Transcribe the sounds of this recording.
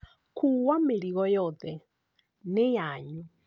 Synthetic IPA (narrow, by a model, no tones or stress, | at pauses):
kʰuɣwameɾiɣɔjɔðɛ | nejaɲu